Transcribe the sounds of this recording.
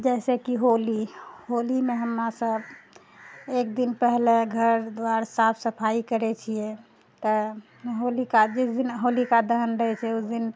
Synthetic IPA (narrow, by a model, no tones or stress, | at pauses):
d͡ʒɛsekiɦoliɦolimeɦəmɾasəb | ek̚d̪inpɛɦleɡʱəɾd̪waɾsapʰsəpʰaikəɾɛt͡ʃʰije | t̪ɔ | ɦolikad͡ʒisd̪inɦolikad̪əɦənɾəɦɛt͡ʃʰɛusd̪in